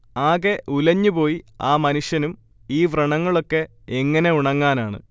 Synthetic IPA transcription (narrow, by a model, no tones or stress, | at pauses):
aːɣeulɐɲːupo̞ːjiaːmɐnuʂjɐnum | iːʋrɐɳɐŋːɐɭo̞kːe̞ | eŋːɐne̞uɳɐŋːaːnaːɳɨ̰